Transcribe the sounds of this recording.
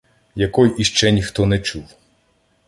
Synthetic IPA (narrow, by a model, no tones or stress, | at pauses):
jɐkɔjʔiʃt͡ʃɛnʲixt̪ɔnɛt͡ʃuw